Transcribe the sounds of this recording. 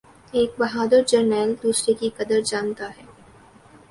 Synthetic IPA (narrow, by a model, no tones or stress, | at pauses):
eːk̚bɐɦaːd̪əɾd͡ʒɐɾnɛːld̪uːsɾekikɐd̪əɾd͡ʒaːnt̪aɦɛː